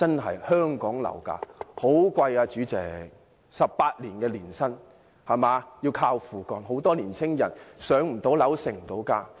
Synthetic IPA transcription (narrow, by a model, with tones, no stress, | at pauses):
t͡sɐ˥nɦɐ̰˨jhœː˥ŋkɔː˨˥ŋlɐ̰˨˩wka̰ː˧ho˨˥wkʷɐ˧jaː˧t͡ʃyː˨˥t͡sɛ̰ː˨˩ | sɐ˨p̚paː˧t̚liː˨˩nkɛː˧liː˨˩nsɐ˥n | hɐ˨˩maː˨˧jiː˧wkʰaː˧wfuː˨˩kɔː˨˩nɦo˨˥wt̪ɔː˥liː˨˩nt͡sʰɪ˥ŋjɐ˨˩nsœː˨˥ŋm̩˨˩t̪o˨˥wlɐ˨˥wsɪ˨˩ŋ˨˩t̪o˨˥wkaː˧